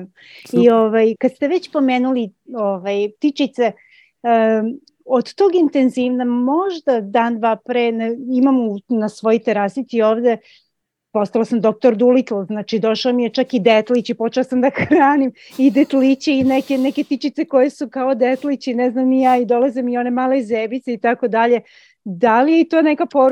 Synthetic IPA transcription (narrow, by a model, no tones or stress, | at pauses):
io̞ʋajkad̪st̪e̞ʋet͡ɕpo̞meːnulioʋajt̪it͡ʃit̪se | od̪t̪oːɡint̪e̞nziʋnamo̞ʒd̪ad̪aːnd̪ʋaːpɾeːnimamunasʋo̞jit̪eɾaːslit̪sioːʋd̪e̞ | po̞st̪alasamd̪o̞k̚t̪o̞ɾd̪ulit̪lˠoznaːt͡ʃid̪o̞ʃaomijet͡ʃakid̪et̪lit͡ɕipo̞t͡ʃelasamd̪axɾaːnim | id̪et̪lit͡ɕeinekeneket̪it͡ʃit̪seko̞jesukaod̪e̞t̪lit͡ɕineznamijaːid̪o̞lazimio̞ne̞maːlezebit̪seit̪ako̞d̪aʎe̞ | d̪alijeit̪o̞nekapo